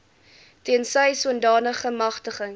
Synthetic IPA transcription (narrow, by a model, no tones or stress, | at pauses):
tiənsəjsuəndɑːnəχəmɐχtəχəŋ